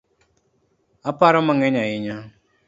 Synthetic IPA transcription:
apaɾamaŋɛɲaɪɲa

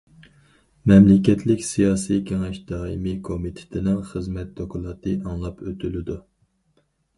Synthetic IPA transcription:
mɛmlɪkʲɛt̪ʰlɪkʲsijɑːsijkʲʰeŋɛʃd̪ɑːimikʰomit̪ʰe̥t̪ʰɪnɪŋχəzmɛt̪̚d̪okʰʊlˠɑːt̪ʰɨɑŋlˠɑpʰøt̪ʰylɪd̪u

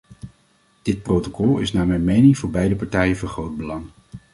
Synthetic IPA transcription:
d̥ɪt̚prowtokɔlˠɪ̰snaːmɛjnmejnɪŋvʊːɹbɛjdəpɑɹtɛjəvɑnχrowd̚bəlɑŋ

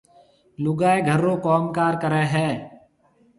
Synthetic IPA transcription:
lʊɡaːeɡʱəɾõːkɔːmkaːɾkəɾeːɦɛː

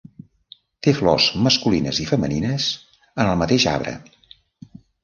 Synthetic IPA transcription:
t̪eflɔzməskulinə̰zifəməninəz | ənəlˠmət̪eʃa̰βɾə̰

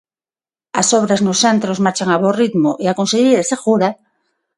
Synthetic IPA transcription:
asoβ̞ɾaznosant̪ɾozmaɾt͡ʃaŋaβorit̪moʔeakonseʎejɾesexuɾa

